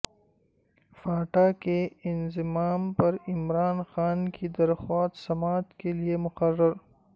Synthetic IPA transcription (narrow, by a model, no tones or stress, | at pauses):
faːʈakeɪnzɪmaːmpɐɾɪmɾaːnxaːnkʰid̪ɐɾxaːt̪sɐmaːt̪keliemʊqɐrːɐɾ